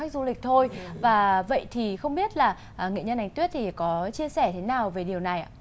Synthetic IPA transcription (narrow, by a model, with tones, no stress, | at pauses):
a˦˥k̚zu˧lï˨˩k̟̚t̪ʰo˧jvaː˨˩və̰˧˨jt̪ʰi˨˩xə˧wŋ͡mɓi˦˥ət̚laː˨˩ | ʔŋḭ˧˨ɲə˧nːʔa˨˩ŋ̟t̪wi˦˥ət̚t̪ʰi˨˩kɔ˨˦t͡ɕi˧əsɛ˧˩t̪ʰe˨˦naː˨˩wve˨˩ɗi˨˩əwna˨˩jʔa̰˨